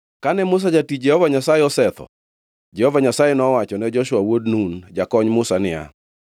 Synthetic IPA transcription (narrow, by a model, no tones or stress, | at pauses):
kanɛmʊs̬ad͡ʒatid͡ʒɛhɔvaɲasajɪɔsɛt̪ɔ̰ | d͡ʒɛhɔvaɲasajɛnɔwat͡ʃɔnɛd͡ʒɔʃwawodnund͡ʒakɔɲmʊsanɪa̰